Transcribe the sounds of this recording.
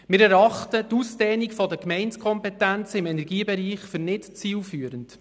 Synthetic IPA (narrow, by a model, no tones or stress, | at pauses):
mɪɾɛɾɑχtətusd̥ɛːnikfɔdəkmɛɪnskʰɔmpɛtænt͡sɪmɛnɛɾɡiːbɛɾiːχfʏrnɪtt͡siːlfyːəɾənt